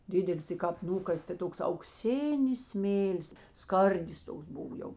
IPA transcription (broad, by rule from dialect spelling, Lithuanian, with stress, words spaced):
ˈdʲɪdʲɛlʲɪs tɐɪ kɑːp ˈnuːkɐsʲ tɐ ˈtoːks ɐʊkˈsʲɪnʲɪs ˈsʲmʲeːlʲɪs ˈskɐrʲdʲɪs ˈtoːks ˈbʊʋoː ˈjɛʊ